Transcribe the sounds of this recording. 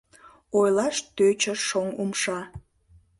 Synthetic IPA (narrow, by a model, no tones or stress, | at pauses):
ojlɑʃt̪øt͡ɕəʃoŋumʃɑ